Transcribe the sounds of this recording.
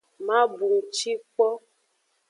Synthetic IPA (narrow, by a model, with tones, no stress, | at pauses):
mã˦bu˨ŋ˨t͡ʃi˦k͡pɔ˦